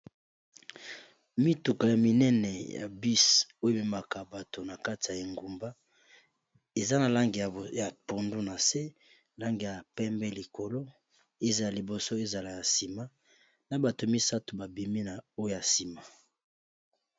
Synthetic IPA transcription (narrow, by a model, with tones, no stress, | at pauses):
mi˦tu˨ka˨ja˨mi˦nɛ˦nɛ˨ja̰˨bi˦so˦e˦bi˦ma˨ka˨ba˨to˨na˨ka˦ti˨ja˨je˨ŋɡu˨mba˦ | e˨za˦na˨la˦ŋɡi˨ja˨po˨ndu˦na˨se˦ | la˦ŋɡi˨ja˨pɛ˦mbɛ˦li˨ko˨lo˦ | e˦za˨a˨li˨bo˨so˦e˦za˨la˨ja˨si˨ma˦ | na˨ba˨to˨mi˦sa˦tu˨ba˨bi˨mi˦na˨o˦ja˨si˨ma˨